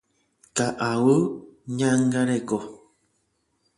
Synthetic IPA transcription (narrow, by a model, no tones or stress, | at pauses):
kaʔawɨɲãŋɡaɾeko